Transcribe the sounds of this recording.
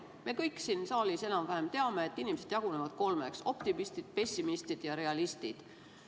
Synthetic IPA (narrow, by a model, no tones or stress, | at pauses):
me̞kɤjkːˑsinsɑːlʲise̞nɑmvæɦemt̪e̞ɑme̞ːt̪ːˑinimese̞d̪̥jɑɡ̥une̞vɑd̪̥ko̞lmekso̞pt̪imist̪id̪̥pe̞sʲːimist̪id̪̥jɑɾe̞ɑlist̪id̪̥